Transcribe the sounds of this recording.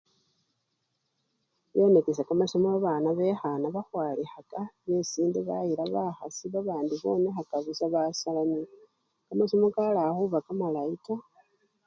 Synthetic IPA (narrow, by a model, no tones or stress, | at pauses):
jo̞nekes̬akamasomoβaβaːnaβe̞xanaβaxwaːlixakaβesiːndeβajiɾaβaxasiβaβaːndiβo̞̰ːnexakaβisaβasalani | kamasomokalaxuβakamalaika